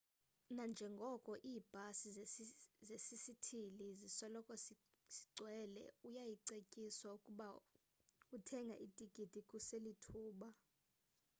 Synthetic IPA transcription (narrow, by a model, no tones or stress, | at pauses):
nand͡ʒʱɛŋɡʱɔkʼɔʔiːb̥ʱasi | zesisitʰilizisɔlɔkʼɔs | si̥ɡ͡ǀʱwɛːlɛ̰ujajiǀekʼiswaukʼuɓa | utʰɛŋɡʱa̰ʔitʼiɡ̥ʼʱid̥ʱikʼuselitʰuːɓa